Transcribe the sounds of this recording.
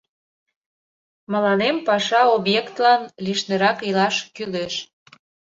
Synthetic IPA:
mə̆lɑnempɑʃɑobjekt̪lɑnliʃneɾɑkilɑʃkyleʃ

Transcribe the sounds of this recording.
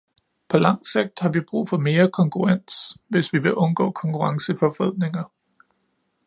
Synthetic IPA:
pʰɒ̽lɑ̈ŋ̰seɡ̥̚d̥hɑ̈ʋib̥ʁṵːfɒ̽me̝ːɐkʰɒ̽ŋkʰuʁɑn̰sʋe̝sʋiʋe̝ʔɔ̽nɡ̥ɔ̰̽ːkʰɒ̽ŋkʰuʁɑ̈ŋsəfɒ̽fʁɛð̰ˠne̝ŋɐ

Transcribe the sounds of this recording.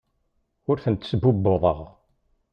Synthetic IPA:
ʊɾθənt̪səbubːoðˤə̰ʁ

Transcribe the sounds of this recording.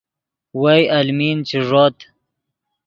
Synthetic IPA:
wajalmint͡ʃiʐoːt̪

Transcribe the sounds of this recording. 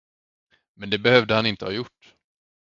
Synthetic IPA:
mɛnd̪ɛbɛhœvd̪əhanɪnt̪əhɑːjʊʈː

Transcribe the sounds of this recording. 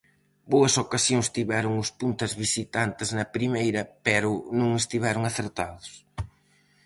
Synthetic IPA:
boɐsokasjoŋst̪iβɛɾʊŋʊspunt̪ɐzβisit̪ant̪ɪznɐpɾimejɾɐpɛɾʊnũŋɪst̪iβɛɾʊŋaθeɾt̪aðʊs

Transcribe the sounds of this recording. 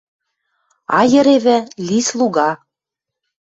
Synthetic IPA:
ɑjə̆ɾeβɘ̆lislˠuɣɑ

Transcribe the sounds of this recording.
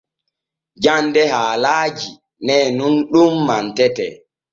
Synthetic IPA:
d͡ʒandɛhaːlaːd͡ʒi | nɛnunɗumːantɛtɛ̰

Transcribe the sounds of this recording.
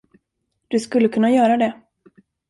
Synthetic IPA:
d̪̥ɵskɵlːəkʰɵnːajœːɾad̪ɛ

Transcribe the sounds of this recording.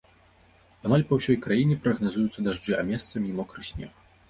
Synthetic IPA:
amalʲpɐwsʲɔjkɾajinʲɛpɾɐɣnazujut̪sːɐd̪aʐd͡ʐɨamʲɛst̪sɐmʲimɔkɾɨsʲnʲɛ̰x

